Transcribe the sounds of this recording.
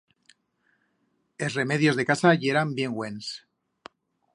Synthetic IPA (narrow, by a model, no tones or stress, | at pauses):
esre̞me̞ðjo̞zðe̞kasaʝe̞ɾambje̞ŋɡwe̞ns